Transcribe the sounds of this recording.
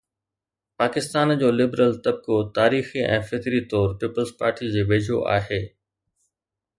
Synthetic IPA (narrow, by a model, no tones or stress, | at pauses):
paːkɪst̪aːnd͡ʑoːlɪbɾəlt̪ɐb̚kot̪aːɾiːxiʔɛ̰̃ːfɪkɾit̪ɔːɾpiːpəlzpaːɾʈid͡ʑeːʋeːd͡ʑʱo̰ʔa̰ːɦeː